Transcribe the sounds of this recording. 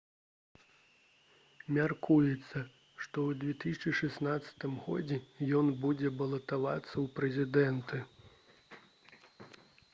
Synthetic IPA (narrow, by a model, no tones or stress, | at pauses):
mʲarkujɛt̪sːɐ | ʂt̪ɔwd̪vʲɛt̪ɨsʲɐt͡ʂɨʂɛsnat̪sːɐ̥t̪ɨmɣɔ̰d͡zʲɛjɔnbud͡zʲɛbɐlˠɐt̪ava̰t̪sːɐwpɾɛzʲid̪ɛnt̪ɨ